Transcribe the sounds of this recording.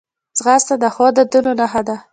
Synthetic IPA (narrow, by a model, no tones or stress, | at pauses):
zɣast̪ad̪əxɔd̪əd̪unonaɦad̪a